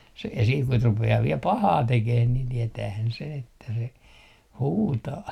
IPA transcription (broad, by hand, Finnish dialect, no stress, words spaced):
se siː kut rupeɑː ʋiel pɑhɑː tekeh nin tietæːhæn sen etːæ se huːtɑː